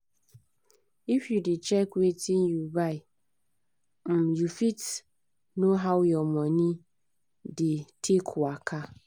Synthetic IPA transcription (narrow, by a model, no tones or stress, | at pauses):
ifjudɪt͡ʃɛkwetin̩jubaɪ | m̩jufit | noɦawjɔmɔni | dɪtʰekʰʊakʰa